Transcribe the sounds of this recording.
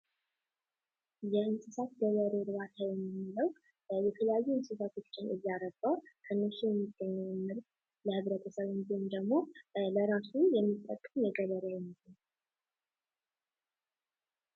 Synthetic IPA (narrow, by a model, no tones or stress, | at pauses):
jɛɨnsɨsat̪̚ɡəβəɾeɾɨβat̪ʰajɛmːɨmːiləw | jɛt̪ʰələjajːuɨnsɨsat̪ʰo̞t͡ʃːɪnʔɨ̰jːaɾəɡawkʰɨnːot͡ʃːijɛmːiɡːəɲːɛwmːɨl | ləhɨβɾət̪ʼəsəβɨnd̪iɨmd̪əɡmo̞ləɾasujɛmːit̪ʼːə̰kʼːəmjɛɡəβəɾewɛmːɨdɨn